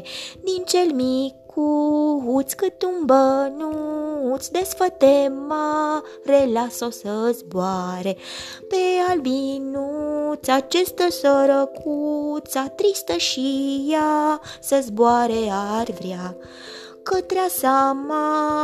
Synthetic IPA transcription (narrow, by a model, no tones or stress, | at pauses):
d̪int͡ʃelmikʰuɦut̪sʲkɨt̪umbənut̪sʲd̪esfət̪ema | relasosəzboaɾe | pealbinut̪sʲat͡ʃest̪əsəɾəkʰut̪sat̪ɾist̪əʃijasəzboaɾearʲvɾʲa | kət̪ɾeasama